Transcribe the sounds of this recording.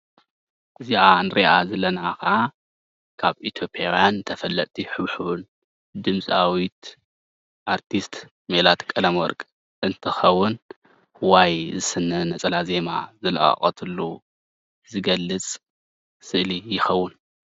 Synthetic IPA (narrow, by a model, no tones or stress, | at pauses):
ʔɨziʔanɨɾʔiʔazɐlɐnakɐʔa | kʰaβʔit̪ʰjo̞pʼjawjant̪ʰɐfɐlːɐʔ̪ʼt̪ʰiħɨβħun | d̪ɨmt͡sʼawit̪ | ʔaɾt̪ʰist̪ | melat̪kʼɐlɐmwɔ̰ɾkʼ | ʔɨnt̪ʰɨxɐwːʊn | hwajzɨsɨnːɐnɐt͡sʼɐlaze̞ma̰zɨlɐ̰ʔʼɐ̰χʼɐ̰t̪ʰɨlːu | zɨɡɐlːɨt͡sʼ | sɨʔlijɪxɐwːʊn